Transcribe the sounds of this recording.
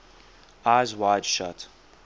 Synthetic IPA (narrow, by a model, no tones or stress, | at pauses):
aɪzwaɪd̥ʃʌ̰t